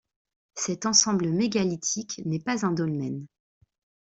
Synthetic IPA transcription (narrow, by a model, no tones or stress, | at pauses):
sɛt̪ɑ̃sɑ̃bləmeɡalit̪ʰiknɛpazɛ̃d̪ɔlmɛn